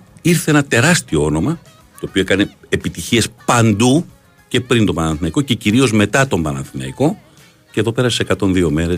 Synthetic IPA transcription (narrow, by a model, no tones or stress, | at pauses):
iɾθe̞enɐt̪e̞ɾɐst̪ioo̞no̞mɐ | t̪o̞ːpio̞ekɐne̞ːpit̪içie̞spɐnd̪u | ce̞pɾint̪opɐnɐnθinɐikoce̞ciɾio̞zme̞t̪ɐt̪o̞mbɐnɐ̰nθinɐ̰iko̞ | ceðo̞pe̞ɾɐsise̞kɐt̪o̞nðio̞me̞ɾe̞s